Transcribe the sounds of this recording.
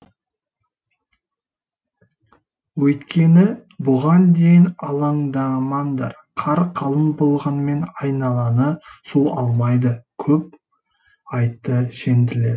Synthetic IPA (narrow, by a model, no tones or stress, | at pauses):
wɵjt̪kʲe̞nɪbʊʁɑnd̪e̞jɪnɑlˠɑŋɴd̪ɑmɑnd̪ɑɾ | qʰɑɾqʰɑlˠənbolˠʁɑnme̞nɑjnɑlˠɑnəsuɑlˠmɑjd̪əkʲʰɵp̚ | ɑjt̪ːəʃe̞nd̪ɪle̞d̪